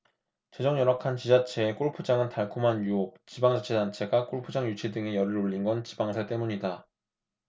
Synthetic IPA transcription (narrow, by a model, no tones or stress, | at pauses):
t͡ɕe̞d͡ʑʌŋɲʌɾwakʰant͡ɕid͡ʑat͡ɕʰe̞ːk͈oɭpʰud͡ʑaŋɯntaɭkʰomɦanjuok̚t͡ɕibaŋd͡ʑat͡ɕʰe̞dant͡ɕʰe̞ɡak͈oɭpʰud͡ʑaŋjut͡ɕʰedɯŋe̞jʌɾɯɾoʎːinɡʌnt͡ɕibaŋsʰaɭt͈emuɲida